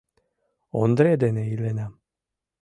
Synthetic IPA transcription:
ond̪ɾed̪eneilena

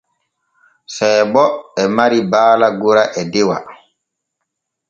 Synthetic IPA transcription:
sɛjbɔɛmaɾibaːlaɡuɾaʔɛdɛwa̰

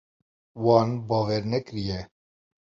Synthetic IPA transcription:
wɑːnbɑːvɛɾnɛkɾijɛ

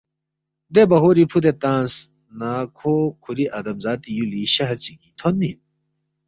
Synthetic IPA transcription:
d̪ebɐɦoːɾipʰud̪et̪ãːs | naːkʰoːkʰuɾiʔɐd̪ɐmzaːt̪ijuliɕɐɦɐɾt͡siɡit̪ʰonmin

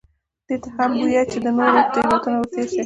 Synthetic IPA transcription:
d̪̥et̪ahambujat͡ʃed̪ənoɾot̪ewat̪unawseʃi

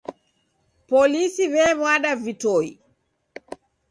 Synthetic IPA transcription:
pɔlisiβɛβwaɗavitɔḭ

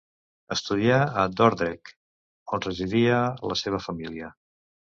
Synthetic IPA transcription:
əst̪uð̞iaəd̪ɔɾðɾɛk | onrəʒiðiələseβ̞əfəmiliə

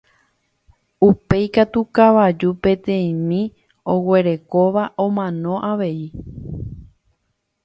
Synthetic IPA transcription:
upe̞jkat̪ukaʋad͡ʒupẽ̞t̪ẽ̞ĩmĩ | owe̞ɾe̞ko̞ʋaʔõmãnõ̞ʔaʋe̞i

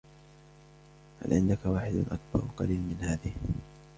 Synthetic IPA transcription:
ha̰lʕɪnd̪akawaːħɪd̪nʔak̚bɑ̰ɾˤqɑ̰liːlmɪnhaːðɪh

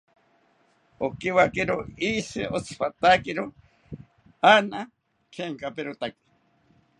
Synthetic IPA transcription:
okiwakeɾoisɨʔot͡sʰɨ̥pat̪akeɾo | ana | kʰeŋkapeɾot̪aki̥

